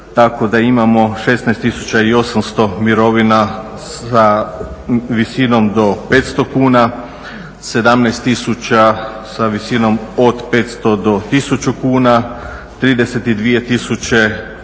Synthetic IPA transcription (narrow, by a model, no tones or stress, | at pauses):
t̪ako̞d̪aimamo̞ʃe̞snajst̪isut͡ɕaio̞samst̪o̞miɾo̞ʋina | a | ʋisino̞md̪o̞pe̞t̪st̪o̞kuːna | se̞d̪amnajst̪isut͡ɕa | saʋisino̞mod̪pe̞ːt̪st̪o̞d̪o̞t̪isut͡ɕukuːna | t̪ɾiːd̪e̞set̪id̪ʋije̞t̪isut͡ɕe̞